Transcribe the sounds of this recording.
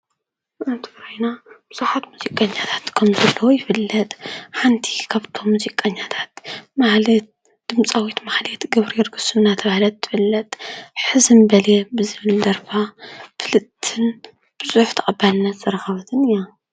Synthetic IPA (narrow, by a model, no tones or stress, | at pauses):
ʔɨnt̪ʰɨ̥ɡɾojnab̥ɨz̥uħat̪muzikʼːɐɲːat̪ʰḁt̪kʰɐmzɐlːɐwojɪfɨlːɐt̪ʼħant̪ʰi̥kʰaβt̪ʰo̞mːuzikʼːɐɲːat̪ʰḁt̪maħlet̪ | d̪̥ɨmt͡sʼawit̪maħlet̪ɡɐβɾijɛɾɡɨsɨmnat̪ʰɐβahlɐt̪ːɨ̥fɨlːɐt̪ʼħɨzɨnbɐlebɨzɨβɨld̪ɐɾfafɨlɨt̪ʰːɨn | b̥ɨzʼuħt̪ʰɐχʼɐbːalɨnːɐt̪z̥ɐɾɐxɐβɐt̪ʰɨnɨja